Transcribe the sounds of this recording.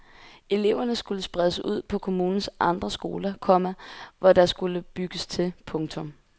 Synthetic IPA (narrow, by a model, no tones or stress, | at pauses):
e̝le̝ʊ̰ɐnəsɡ̥uləsb̥ʁaðˠsuð̞̰ˠpʰɒ̽kʰo̝muːnn̩sʔɑ̈nd̥ʁɐsɡ̥o̝ːlɐkʰɒ̽mæʋɒd̥ɑ̈sɡ̥uləb̥yɡ̥əst͡sʰe̝lpʰɔ̽ŋt͡sʰɔ̽m